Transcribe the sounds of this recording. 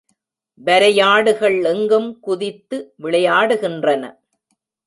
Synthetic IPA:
ʋɐɾɐjaːɽɯɣɐɭɛŋɡɯmkʊðɪt̪ːɯʋɪɭɐjaːɽɯɣɪndrɐnɐ̰

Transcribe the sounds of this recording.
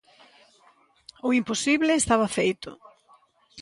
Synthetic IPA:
oimposiβlɪːst̪aβɐfejt̪ʊ̰

